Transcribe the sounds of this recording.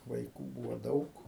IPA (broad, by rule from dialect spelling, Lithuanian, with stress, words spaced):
ʋɐɪˈkuː ˈbuːʋoː ˈdɐʊk